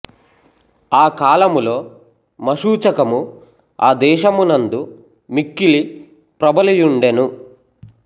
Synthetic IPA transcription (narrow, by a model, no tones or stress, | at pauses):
aːkaːlɐmulo̞ː | mɐʃuːt͡ʃɐkɐmu | aːd̪ɛːʃɐmunɐnd̪u | mikːili | pɾɐbɐlijuɳɖenu